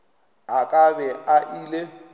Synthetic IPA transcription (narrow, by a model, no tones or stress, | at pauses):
akʼabɛʔaʔile